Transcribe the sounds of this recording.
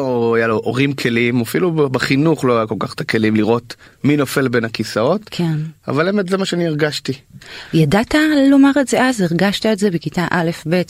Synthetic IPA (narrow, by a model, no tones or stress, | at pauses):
loajaloʔoʁimkʰe̞limafilubeχinuχlo̞ajako̞lkaχt̪ake̞limliʁo̞t | mino̞fe̞lbe̞nakisao̞tkʰena̰valemetzemaʃeanieʁɡaʃtijadatalo̞maʁetzeazeʁɡaʃtaetze̞bekitaʔale̞fbe̞t